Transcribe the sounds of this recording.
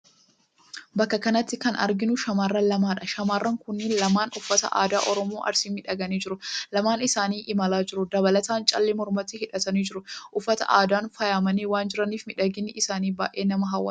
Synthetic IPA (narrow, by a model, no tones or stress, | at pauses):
bɐkːɐkɐnɐt̪ːɪkɐnʔɐ̰ɾɡɪnʊʃɐmaːrːɐlɐmaːᶑɐʃɐmaːrːɐŋkʊnːɪnlɐmaːnʊfːɐt̪ɐ̰ʔa̰ːd̪aːʔɔɾɔmoːʔɐ̰ɾsiːmɪᶑɐɡɐniːd͡ʒɪɾʊlɐmaːnɪsaːniːʔɪmɐlaːd͡ʒɪɾʊd̪ɐbɐlɐt̪aːnt͡ʃʼɐlːɛmɔɾmɐt̪ihɪᶑɐt̪ɐniːd͡ʒɪɾʊʔʊfːɐt̪ɐ̰ʔaːd̪aːnfɐjaːmɐniːwaːnd͡ʒɪɾɐniːfmɪᶑɐɡɪnːɪʔɪsaːniːba̰ːʔe̞ːnɐmɐɦɐwːɐ̰